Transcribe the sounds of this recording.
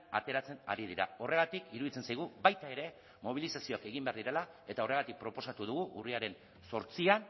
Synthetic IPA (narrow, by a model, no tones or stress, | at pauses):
a̰t̪e̞ɾat͡se̞na̰ɾið̞iɾa̰o̞re̞ɣat̪ikiɾuðit͡sensajɣ̞uβajt̪ae̞ɾe̞ | mo̞βilisasio̞ake̞ɣimbe̞aɾðiɾe̞la | e̞t̪ao̞re̞ɣ̞at̪ik̚pɾo̞po̞sat̪uðuɣ̞uʔuriaɾe̞n | so̞ɾt͡sian